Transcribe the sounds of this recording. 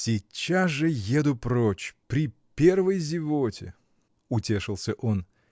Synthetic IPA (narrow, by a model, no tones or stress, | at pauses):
sʲɪt͡ɕːasʐɨjed̪ʊpɾot͡ɕpɾʲɪpʲe̞rvəjzʲɪvotʲɪ̰ | ʊtʲe̞ʂɨlˠsʲəʔon